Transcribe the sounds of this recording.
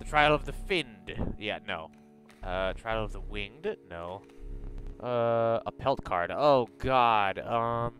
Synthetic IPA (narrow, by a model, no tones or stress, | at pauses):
ðɨtʰɹ̥aɪl̩ˠʌvðɨfɪ̃nd̥jæ̰noʊ | ʔʌtʰɹ̥aɪl̩ˠʌvðəwɪ̃nd̥noʊ | ʔʌə̰pʰɛlˠt̚kʰɑ̰ɹɾɨoʊɡɑdʌ̃m